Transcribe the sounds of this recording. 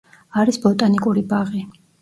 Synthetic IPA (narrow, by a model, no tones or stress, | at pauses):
aɾisbɔt̪ʼanikʼuɾibaʁi